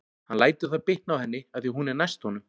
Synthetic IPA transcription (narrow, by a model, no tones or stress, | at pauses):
hanlaːjt̪ɪθaðpɪht̪nawhɛnːɪaθjiɦunɛɾnajst̪hɔnʏm